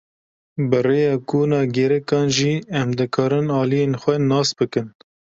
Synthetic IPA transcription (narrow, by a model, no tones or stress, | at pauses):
bɨreːjɑːkuːnɑːɡɛɾɛkɑːnʒiːɛmd̪ɨkʰɑːɾɨnɑːlijeːnxʷɛnɑːsbɨkɨn